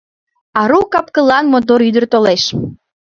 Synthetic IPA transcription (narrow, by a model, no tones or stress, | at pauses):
ɑɾukɑp̚kəlɑnmot̪̬oɾyd̪ərt̪oleʃ